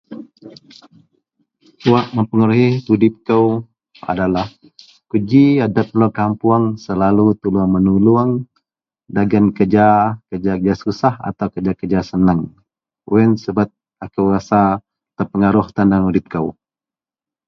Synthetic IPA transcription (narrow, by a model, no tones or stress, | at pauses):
t̪uaʔməmpəŋəɾuɦit̪udɪp̚kəw | a̰dalah | kud͡ʒiadap̪̚lokampuaŋsəlalut̪uluaŋmənuluaŋ | daɡankəd͡ʒakərd͡ʒakəd͡ʒasusaha̰t̪awkəd͡ʒakəd͡ʒasənəŋ | uɛnsəbat̪̚ | akəwɾasa | t̪ərpəŋaɾʊht̪andaŋudɪp̚kəw